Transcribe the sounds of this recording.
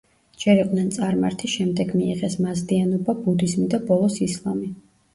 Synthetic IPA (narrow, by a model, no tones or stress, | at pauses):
d͡ʒɛɾiqʼnɛnt̪sʼaɾma̰ɾt̪ʰiʃɛmd̪ɛɡmiiʁɛsmazd̪ianɔbabud̪izmid̪abɔlˠɔsislˠami